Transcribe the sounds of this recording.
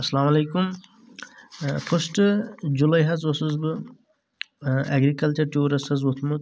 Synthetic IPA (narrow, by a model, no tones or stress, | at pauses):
ɐsɐlamɐlɐjkum | pʰəsʈɨd͡ʒulɐjɦɐzɔsɨzbɨ | ɛ̰ɡɾikɐlt͡ʃɐɾʈuɾɐsɐzut̪ʰmu